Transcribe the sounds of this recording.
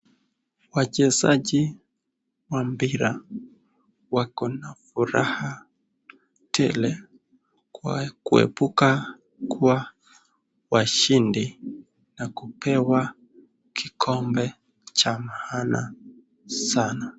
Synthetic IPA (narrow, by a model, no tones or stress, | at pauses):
wat͡ʃɛzaʄi | wambiɾa | wakɔnafuɾaha | tʰɛlɛ | kkuɛ̰puka | kʰuwa | waʃindi | nakupʰɛwa | kʰikʰɔmbɛ | t͡ʃamahana̰ | sana